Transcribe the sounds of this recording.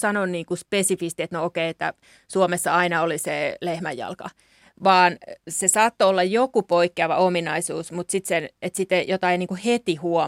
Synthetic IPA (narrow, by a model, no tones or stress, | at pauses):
sɑnonniːŋkuspesifist̪iet̪nookeiet̪ːæ̰ | suomesːɑɑinɑoliselehmæjjɑ̰lkɑ | ʋɑːnsesɑːt̪ːoolːɑjjokupoikːeɑʋɑominɑisuːsmut̪sit̪senet̪sit̪ejot̪ɑiniːŋkuhet̪ihuo